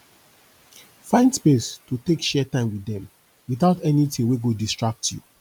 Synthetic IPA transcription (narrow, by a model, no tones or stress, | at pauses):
fãɪ̃ndspestutekʃɛtãɪ̃mwiðɛ̃m | wiθaʊtɛnitĩŋweɡodistɹak̚tʰjṵ